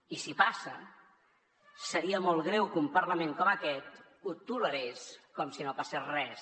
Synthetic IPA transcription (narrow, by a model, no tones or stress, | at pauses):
isipasə | səɾiəmolˠɣɾɛwkumpəɾlamẽŋkɔməkɛt̪̚ | ut̪uləɾeskɔmsinopasesrɛs